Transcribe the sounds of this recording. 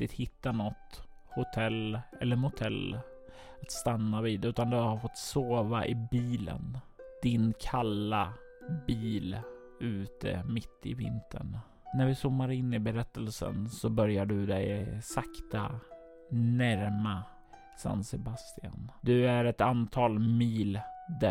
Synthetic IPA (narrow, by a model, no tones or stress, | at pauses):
t̪ɪt̪hɪt̪ːanɔt̪ː | hʊt̪ʰɛlːɛlːəɾhʊt̪ʰɛl | at̪st̪anːaviːd̪ʉ̟ːt̪and̪ɵaaɾfɔt̪ːsoːvaʔɪbiːlə̰nd̪̥ɪnkʰalːa | biːl | ʉ̟ːt̪ʰə̰mɪt̪ʰːɪvɪ̰nt̪ʰə̰ɳ | næɾvɪsʊmːaɾɪnːɪbɛɾɛt̪ːəlsə̰nsɔbœɾjaɖɵd̪ɛjsakt̪a | næɾma | sa̰nt̪sɛbast̪ɪa̰nd̪ɵæɾɛt̪ant̪ʰɑːlmiːld̪æ